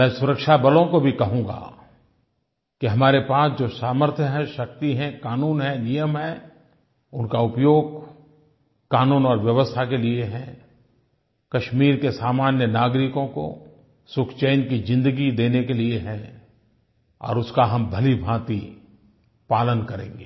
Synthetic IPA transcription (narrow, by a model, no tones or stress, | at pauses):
mɛ̃ːsʊɾəkʃabɐlõkobʱikɐɦũːɡa̰ː | kiɦɐmaːɾepaːsd͡ʒoːsaːməɾt̪ʰjəɦɛ̃ʃɐk̚t̪iɦɛ̃kaːnuːnɦɛ̃nijəmɦɛ | ʊnkaʊpjoːɡ̚ | kaːnuːnɔːɾʋjəʋəst̪ʰakelieɦɛ̃ | kɐʃmiːɾkesaːmaːnjənaːɡɾɪkõko̰ | sʊkʰt͡ʃeːnkid͡ʒɪ̃nd̪əɡid̪eːnekelieɦɛ̃ | ɔ̰ːɾʊskaɦɐmbʱɐlibʱãːt̪i | paːlənkɐɾḛ̃ːŋ̆ɡeː